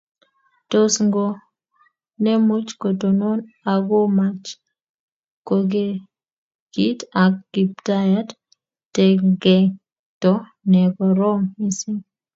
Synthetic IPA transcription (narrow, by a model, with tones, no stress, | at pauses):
to˦sŋɡo˦ | ne˦mu˦t͡ʃko˨to˨nɔ˦n | a˨ɡo˦mat͡ʃ | ko˨ɡe˦ | ɡ̥i˦ta˨kɡ̥i˨p̚ta˦ja˦d | tɛ˨ɡɛ˨ | tɔ˦ | nɛ˨ɡɔ˨ɾɔ˦mi˦sɪ˦ŋ